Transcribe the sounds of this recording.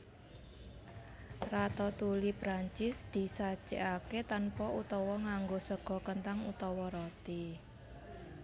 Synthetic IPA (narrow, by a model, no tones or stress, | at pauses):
rat̪ɔt̪ulipɾaɲt͡ʃɪsd̪̥i̤sḁt͡ʃḛʔaket̪anpɔʔut̪ɔwɔŋaŋɡosəɡ̥ɔ̤kənt̪aŋut̪ɔwɔɾɔt̪i